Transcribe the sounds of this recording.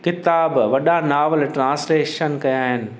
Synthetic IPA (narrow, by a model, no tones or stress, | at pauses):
kɪt̪aːbʋɐɗanaːʋəlʈɾãːsleːʃənkɐjaːɦɪnɪ̆